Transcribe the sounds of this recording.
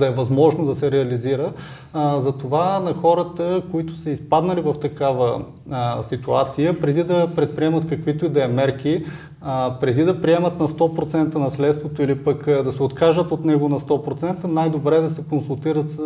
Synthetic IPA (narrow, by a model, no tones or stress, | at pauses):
d̪ɐɛvɐzmɔʒnod̪ɐsɛɾɛɐliziɾə | zɐt̪ovanɐxɔɾət̪əkoit̪ʊ̥səispad̪nɐlivɐft̪ɐkavə | sit̪uat̪sijəpɾɛd̪id̪ɐpɾɛt̪̚pɾiɛmət̪kɐkvit̪oid̪ɐɛmɛɾki | pɾɛd̪id̪ɐpɾiɛmət̪nɐst̪ɔpɾot̪sɛnt̪ənɐslɛt̪st̪vot̪oilipəkd̪ɐsɛot̪kaʒət̪ot̪nɛɡonɐst̪ɔpɾot̪sɛnt̪ənajd̪obɾɛd̪ɐsɛkonsulˠt̪iɾət̪